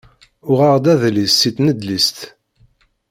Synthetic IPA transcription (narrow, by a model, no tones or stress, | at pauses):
ʊʁɑʁd̪æðlisːit̪nəd̪list̪